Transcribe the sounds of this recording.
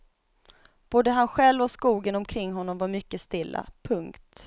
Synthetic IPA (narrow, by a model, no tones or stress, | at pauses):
b̥oːd̪əɦanɧɛlvɔskuːɡənɔmkʰɾɪŋːɦɔnːɔmvaɾmʏkːəst̪ɪlːa̰pʰɵŋkt̪